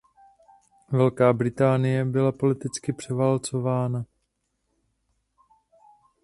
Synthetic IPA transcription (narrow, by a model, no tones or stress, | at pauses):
vɛlkaːbɾɪt̪aːnɪjɛbɪlapo̞lɪt̪ɪt͡skɪpr̝̥ɛvalt͡so̞vaːna